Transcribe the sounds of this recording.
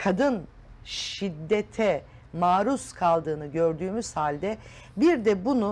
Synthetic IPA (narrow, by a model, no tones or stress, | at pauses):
kʰad̪ɯn | ʃid̪ːet̪ʰɛ | maːɾuskʰalˠd̪ɯːnɯɟø̞ɾd̪yːmyz̥halʲd̪ɛ | biɾd̪ɛbunu